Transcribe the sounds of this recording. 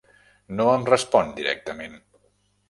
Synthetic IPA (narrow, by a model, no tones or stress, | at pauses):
noəmrəspɔnd̪iɾɛ̰k̚t̪əmen